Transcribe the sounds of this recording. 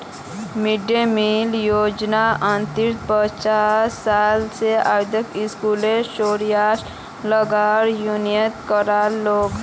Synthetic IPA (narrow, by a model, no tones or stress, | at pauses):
mɪɖemiljoːd͡ʒnaə̃nt̪ɪɾt̪̚pət͡ʃaːaːlseaɾd̪ʱəkɪskuːleʃoːɾijaːʃ | ləɡaːɾjunjət̪kəɾaloːɡ